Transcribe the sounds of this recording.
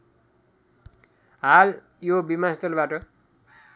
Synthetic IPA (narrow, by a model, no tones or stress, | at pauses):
ɦal | jobimast̪ʌlbaʈʌ